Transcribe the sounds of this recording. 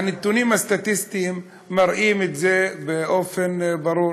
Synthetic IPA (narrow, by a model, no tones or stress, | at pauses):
anet̪unimast̪at̪ist̪imː | aɾʔimet̪zebeʔofenbaɾuːɾ